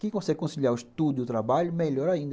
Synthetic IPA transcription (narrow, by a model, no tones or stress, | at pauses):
kɪ̃kõsɛɡɪkõsiʎiaʊiʃt̪ud̪ʊʊt̪ɾabaʎʊmeʎɔɾaĩnd̪